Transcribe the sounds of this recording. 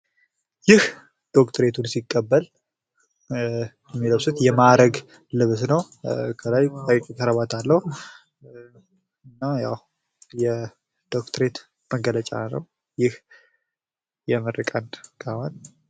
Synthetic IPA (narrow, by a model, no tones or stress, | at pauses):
jɪh | d̪̥o̞kt̪ʰəɾe̞t̪ʰunsikʼːəbːəl | jɛmːiləwsut̪jɛmaɾəɡ | lɨβsnəw | kʰəlajakʰəɾəβat̪ʰalːəhu | ɨnːaja̰w | jɛ | d̪̥o̞kt̪ʰəɾe̞t̪ | məɡələt͡ʃʼa̰nə̰w | jɪh | jɛmɨrɨkʼankʰawan